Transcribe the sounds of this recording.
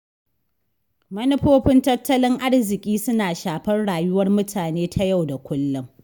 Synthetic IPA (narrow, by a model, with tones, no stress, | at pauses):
mɐ˦nɪ˦ɸoː˦ɸɪ˦ntɐ˦tːɐ˦lɪ˦ŋʔa˦rzɪ˨kʲʼiː˦sʊ˦naː˨ʃaː˨ɸɐ˦rɽaː˨jʊ˦wɐ˦rmʊ˦tʰaː˨neː˦tʰa˦ja˦˨wda˨kʷʊ˦lːʊ˦ŋ